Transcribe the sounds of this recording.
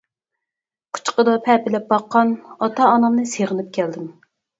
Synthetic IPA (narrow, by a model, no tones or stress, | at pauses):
qʰʊ̥t͡ʃqəd̪ɑpʰɛpɪlɛp̚bɑqːɑnɑt̪ʰɑːnɑmnɨseʁənɨp̚kʲʰɛld̪ɪm